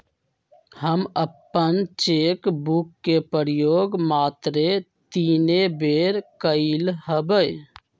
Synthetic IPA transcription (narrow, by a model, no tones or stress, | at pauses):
həməpːənt͡ʃeːkbukːepəɾjoːɡmaːt̪ɾe | t̪iːnebeɾkəɪlɦəbəj